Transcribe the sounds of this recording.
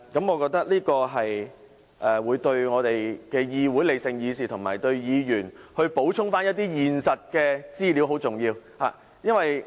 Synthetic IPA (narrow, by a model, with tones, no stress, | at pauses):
kɐ˨˥mŋɔ˨˧kɔː˧k̚t̪ɐ˥k̚liː˥kɔː˧ɦɐ˨j | ʔɛː˨˩wuː˨˧jt̪ɵ˧ɥŋɔː˨˧t̪e˨jkɛː˧jiː˧wuː˨˥jle˨jsɪ˧ŋjiː˧siː˨t̪ʰʊ˨˩ŋmaː˨˩jt̪ɵ˧ɥjiː˨˧jyː˨˩nhɵ˧ɥpo˨˥wt͡ʃʰʊ˥ŋfaː˥njɐ˥t̪̚iː˥jiː˨nsɐ˨t̚kɛː˧t͡siː˥li˨˥wɦo˨˥wt͡sʊ˨˩ŋjiː˧wha̰ː˨ | jɐ˥nwɐ˨j